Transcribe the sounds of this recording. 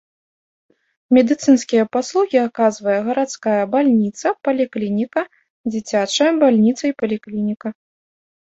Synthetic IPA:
mʲɛd̪ɨt̪sɨnskʲijɐpaslˠuɣʲiakazvɐjɐɣɐɾat̪skajɐbalʲnʲit̪sɐpɐlʲiklʲinʲikɐ | d͡zʲit͡sʲat͡ʂɐjɐbalʲnʲit̪sɐipɐlʲiklʲinʲikɐ

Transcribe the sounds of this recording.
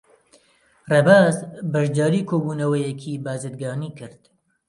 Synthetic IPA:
rebaːzbɐʃd̪aːɾiːkʰoːbuːnɐwɐjɛkʰiːbaːzɨd̪̚ɡɑːniːkʰɨɾd̪̥

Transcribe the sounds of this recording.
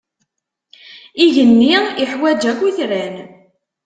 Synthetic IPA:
iʝənːiɪħwæd͡ʒækʷːiθɾæn

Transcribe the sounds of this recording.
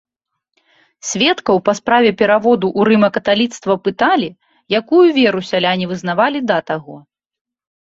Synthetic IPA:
sʲvʲɛt̪kɐwpɐspɾavʲɛpʲɛɾavɔd̪uʔːɾɨmɐkɐt̪alʲit̪st̪vɐpɨt̪alʲi | jakujuvʲɛɾusʲalʲanʲivɨzn̪avalʲid̪ɐt̪aɣɔ

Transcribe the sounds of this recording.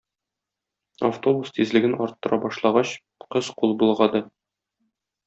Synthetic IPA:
aft̪o̞bust̪izlɘ̆ɡɘnɒɾt̪ːɤ̆ɾʔɑbɒʃlˠɑʁɑɕ | qɤzqulˠbulˠʁɑd̪ɤ

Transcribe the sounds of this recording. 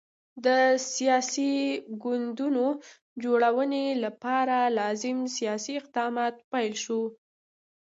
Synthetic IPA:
d̪əsijɑsiɡʊnd̪uno | d͡ʒoɽawənelapɑɾalɑzɪmsijɑsiɪq̚d̪ɑmɑt̪̚pajlʃo

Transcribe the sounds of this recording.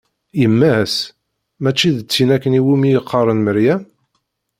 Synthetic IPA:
jəmːæs | mæt͡ʃːiðət͡sːinækːəniwimijəqʰːɑrˤənməɾjæ

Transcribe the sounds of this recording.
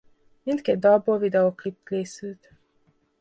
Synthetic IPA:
mint̪kɛd̪̚d̪ɒlbovid̪ɛoklipkeːsylt̪

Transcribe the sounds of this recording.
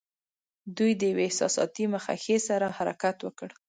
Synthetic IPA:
d̪ujd̪əjaweɪhsɑ̰sɑ̰t̪imaxa̰xesaɾahaɾa̰kat̪wəkəɽ

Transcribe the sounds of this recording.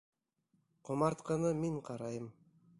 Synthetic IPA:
qʰomɑɾt̪qɑnɤmiɴqʰɑɾɑjɤm

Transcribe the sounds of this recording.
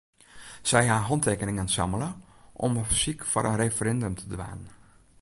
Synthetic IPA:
sɛjɦaːɦɔntʰeːkənɪŋənsɑ̰mələʔɔ̰məfsikfɔ̰ɾʔənrefəɾɛndømtʰədʋa̰ːnn

